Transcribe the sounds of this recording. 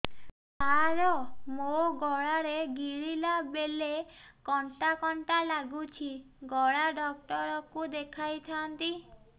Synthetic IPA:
aɾɔmoɡɔɭaɾeɡiɾilabelekɔɳʈakɔɳʈalaɡut͡ʃʰi | ɡɔɭaɖɔk̚ʈɔɾɔkud̪ekʰajt̪ʰant̪i

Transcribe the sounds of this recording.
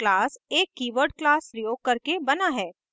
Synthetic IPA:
laːseːkːiːʋəɾɖ̚klaːspɾəjoːɡ̚kɐɾkebɐnaɦɛː

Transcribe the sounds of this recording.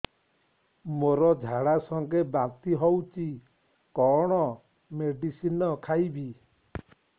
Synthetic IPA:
moɾɔd͡ʒʱaɽasɔŋɡebant̪iɦɔwt͡ʃi | kɔɽ̃ɔ | meɖisinɔkʰajbi

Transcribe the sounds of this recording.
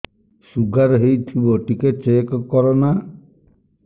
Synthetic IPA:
suɡʱaɾɔɦejt̪ʰibɔʈiket͡ʃekɔkɔɾɔna

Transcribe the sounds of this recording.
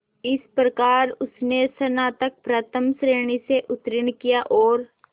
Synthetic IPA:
ɪspɾɐkaːɾʊsnesɐnat̪ɐk̚pɾat̪ʰəmsɾeːɽ̃iseʔʊt̪ɾɪɽ̃kijaʔɔːɾ

